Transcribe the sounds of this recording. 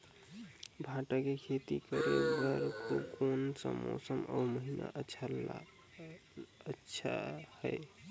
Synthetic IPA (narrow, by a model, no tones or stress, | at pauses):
bʱaʈakekʰet̪ikəɾekbəɾkokonsəmːo̰səməwməɦina̰ʔəʃʰa | ətːʰa̰həj